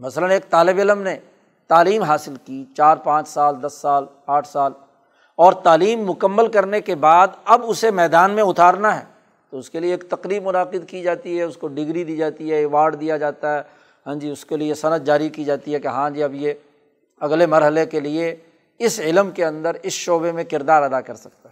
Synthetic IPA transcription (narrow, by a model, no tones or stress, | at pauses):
mɐsələneːk̚t̪aːlɪbɪləmne | t̪aːliːmɦaːsɪlkit͡ʃaːɾpãːt͡ʃsaːld̪ɐsːaːl | aːʈʰsaːl | ɔːɾt̪aːliːmːʊkəmːəlkɐɾnekebaːd̪ɐbʊsemɛːd̪aːnmẽʊt̪aːɾnaɦɛ̰ː | t̪oʊskelieːkt̪ɐqɾiːbmʊnaːqɪd̪kid͡ʒaːt̪iɦɛʊskoɖɪɡɾid̪iːd͡ʒaːt̪iɦɛɪʋaːɖd̪ijad͡ʒaːt̪aɦɛː | ɦãːd͡ʒiʊskeliesɐnəd̪d͡ʒaːɾikid͡ʒaːt̪iɦɛkeɦãːd͡ʒiɐbje | ɐɡlemɐɾɦəlekelie | ɪsɪlmkeɐ̃nd̪əɾɪsʃoːbemẽkɪɾd̪aːɾɐd̪akɐɾsɐk̚t̪aɦɛ